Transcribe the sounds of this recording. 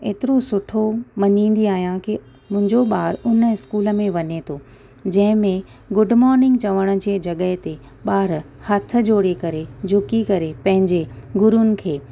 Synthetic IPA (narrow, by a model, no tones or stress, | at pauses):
eːt̪ɪɾosʊʈʰomɐɲĩːn̆d̪iaːɦijãki | mʊ̃ɦɪ̃ɲd͡ʑoɓaːɾʊnəɪskuːlə̆mẽʋɐɲet̪ʰoː | d͡ʑɐ̃ɦɪ̃mẽ | ɡʊɖmɔːɾnɪ̃ŋɡ̚t͡ɕɐʋəɽ̃̆d͡ʑeːd͡ʑɐɠəɦɪt̪e | ɓaːɾhɐt̪ʰə̆d͡ʑoːɽekɐɾed͡ʑʱʊkikɐɾepɐ̃ɦɪ̃ɲd͡ʑeɡʊɾʊnɪ̆kʰeː